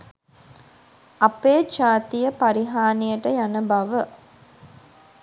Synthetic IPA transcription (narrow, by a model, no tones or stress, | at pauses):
ɐpeːd͡ʒaːt̪ijəpaɾiɦaːnijəʈəjanəbɐʋə